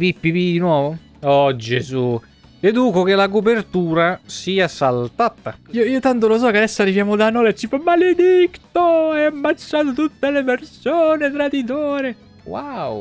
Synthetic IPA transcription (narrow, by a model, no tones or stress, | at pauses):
pipːipid̪inwɔːvo | ɔd͡ʒezu | led̪uːkokelakop̬ert̪uːɾasiːasalt̪at̪aioiːot̪ant̪̬olos̬ɔkead̪ɛsːoarːivjaːmod̪anɔːlet͡ʃːipamːaled̪ikt̪oɛamːat͡ʃːaːt̪̬ot̪ut̪ːelepersoːnet̪ɾad̪it̪oːɾe | waw